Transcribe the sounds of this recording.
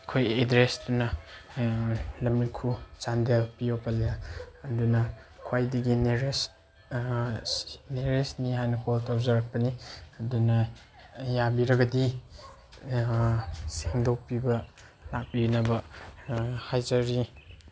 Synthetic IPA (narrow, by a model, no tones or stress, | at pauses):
kʰojedɾestunɐ | lɐmikʰut͡ʃandelpijopʰɐljaːdunɐkʰwajdiɡineɾes | neɾesnihajnɐkʰɔltʰɔp̚zaɾak̚pɐniɐdunɐ | jabiɾɐɡɐdi | seŋdowpibɐ | lak̚pibinɐbɐ | hajzɐɾi